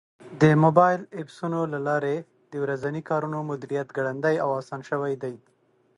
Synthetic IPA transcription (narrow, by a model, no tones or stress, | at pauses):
d̪əmobɑjɪlepsunolalɑɾe | d̪əwɾazanikɑɾunomʊd̪iɾijat̪ɡaɽand̪ajawɑsɑnʃəwajd̪aj